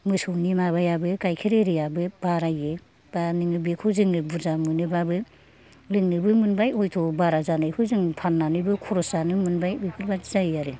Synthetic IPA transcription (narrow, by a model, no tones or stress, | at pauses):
mɯsɯwnimaβajabɯkajkʰiɾeɾijabɯb̥aɾaje | b̥anɯŋɯbekʰɯwzɯŋɯbuzamɯnɯbabɯ | lɯŋnɯbɯmɯnbajɔjtʰɔbaɾazanɯjkʰɯwzɯŋpʰanːanɯjbɯkʰɔɾɔsanɯmɯnbajɯjkʰɯɾbazajaɾɯ